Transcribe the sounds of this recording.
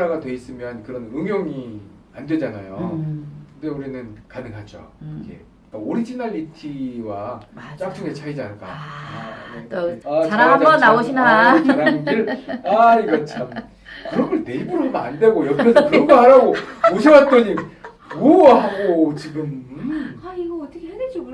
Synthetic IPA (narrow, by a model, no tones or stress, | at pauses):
ɾaɡadwe̞is͈ɯmjʌnkɯɾʌnɯŋjʌŋi | andwed͡ʑanajokɯnde̞uɾinɯnkanɯŋɦad͡ʑo̰ikʰḛ | k͈aoɾid͡ʑinaʎːitʰiwat͡ɕ͈ak̚t͡ɕ͈uŋet͡ɕʰaid͡ʑanɯɭk͈a̰ | eaaaʌnaoɕʰiat͡ɕʰananiɾaiɡʌt͡ɕʰam | kɯɾʌnɡʌɭne̞ibuɾoɯmaandwe̞ɡojʌpɾʌsʰʌkɯɾʌŋɡʌɦaɾaɡooɕʰewat̚t͈ʌɲi | muoɡʌɦaɡot͡ɕiɡɯmaiɡʌʌt͈ʰʌkʰehedɯd͡ʑoɡ